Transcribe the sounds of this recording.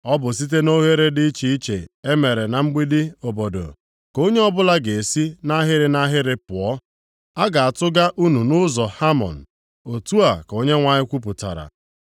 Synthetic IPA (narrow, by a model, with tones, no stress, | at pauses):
ɔ˦bʊ˨s̬i˦t̬e˦no˦ɦe˦ɾe˦dɪ˦i˦t͡ʃi˨i˦t͡ʃḛ˨e˦me˨ɾe˨na˨ŋ͡m̩˦ɡ͡bi˦dɪ˦o˨bo˨do̰˨ | ko˦ɲe˦ɔ˦bʊ˦la˦ɡe˨si˦na˦ɦɪ˦ɾɪ˨na˦ɦɪ˦ɾɪ˦pʊ˨ɔ˦ | a˦ɡa˨a˨tʊ˦ɡa˦ʔu˦nu˨nʊ˦zɔ˨ha˦mɔ̰˨n̩˨ | o˨tu˦a˨ko˦ɲe˦ŋʷa˨ɲɪ˦kʷu˦p̬ʊ˨ta̰˨ɾa̰˨